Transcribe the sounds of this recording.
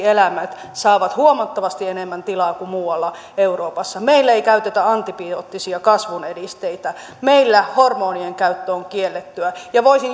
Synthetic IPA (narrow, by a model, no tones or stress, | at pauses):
elæmæt̪ | sɑːʋɑt̪huomɑt̪ːɑʋɑst̪ienemːænt̪ilɑːkumuːɑlːɑ | euroːpɑsːɑmeilːæeikæyt̪et̪æɑnt̪ipioːt̪ːisiɑkɑsʋunedist̪eit̪æ | meilːæhormoːnieŋkæyt̪ːøoŋkielːet̪ːyæjɑʋoisin